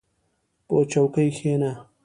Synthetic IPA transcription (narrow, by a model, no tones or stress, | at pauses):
pot͡ʃawkəjxena